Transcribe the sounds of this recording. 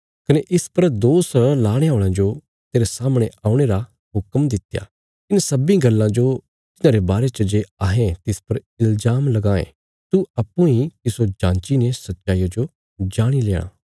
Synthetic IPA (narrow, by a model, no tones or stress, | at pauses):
kɐneʔɪspɐɾd̪oːslaːɽ̃eaːʊɽ̃ãd͡ʒo | t̪eːɾesaːmɽ̃eaːuɽ̃eɾa | ɦʊkmd̪ɪt̪ja̰ː | ɪnsɐbĩɡɐlːãd͡ʒo | t̪ɪnãːɾebaːɾet͡ʃəd͡ʒeːaːɦẽt̪ɪspɐɾ | ɪlzaːmlɐɡãːḛ̃ | t̪uɐpːũit̪ɪsod͡ʒãːnt͡ʃinesɐtːt͡ʃaːijad͡ʒo | d͡ʒaːɽ̃ilḛːɽ̃a̰ː